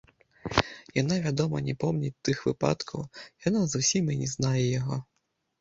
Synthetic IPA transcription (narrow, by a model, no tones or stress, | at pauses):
janavʲad̪ɔmɐnʲɛpɔmnʲit̪ɨxvɨpa̰t̪kʰɐwjanazusʲimɨnʲɛznajɛjaɣɔ